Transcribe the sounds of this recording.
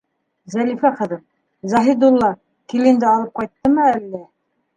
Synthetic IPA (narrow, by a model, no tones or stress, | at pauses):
zælifæqɤ̆ðɤm | zɑɦid̪ulˠːɑ | kilind̪ɘɑlˠɤp̚qɑjt̪ːɤmɤælːæ